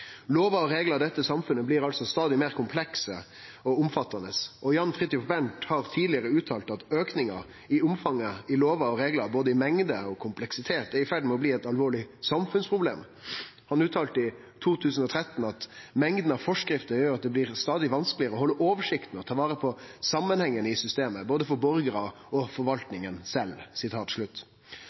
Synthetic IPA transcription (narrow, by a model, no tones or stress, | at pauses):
loːʋɑɔɾeːɡləɾd̪ɛt̪ːəsɑmfʉnːəblɪɾɑlsɔst̪ɑːd̪ɪmeːɾkʰʊmpʰlɛksə̰ | ɔʊmfɑt̪ːɑnəsʔɔjɑnfʁɪt̪ːɪʊfbɛnt̪hɑɾt̪ʰiːd̪lɪəɾəʉːt̪ʰɑːlt̪ɑt̪øːknɪŋɑ̰ | ɪʊmfɑŋːəɪloːʋɑɔɾeːɡlɑɾboːd̪əɪmɛŋd̪əɔkʰʊmplɛksɪt̪ʰeːt̪æɾɪfæɖmɛɔbliːɛt̪ɑlʋoːɭɪsɑmfʉnspʰɾʊblḛːm | hɑnʉːt̪ʰɑːlt̪əɪ | t̪ʰuːt̪ʰʉːsn̩ɔt̪ʰɾɛt̪n̩ɑt̪mɛŋd̪n̩ɑʋfɔʂkɾɪft̪əjøːɾɑt̪̚d̪ɛblɪɾst̪ɑːd̪ɪʋɑnsklɪəɾəɔhɔlːəʔoːʋəʂɪkt̪ən̩ɔt̪ʰɑːʋɑːɾəpʰɔsɑmːənhɛŋːənəɪsʏst̪eːməboːd̪əfɔɾbɔɾɡəɾɑ | ɔfɔɾʋɑlt̪nɪŋənsɛlːsɪt̪ʰɑːt̪ʂɭʉt̪ː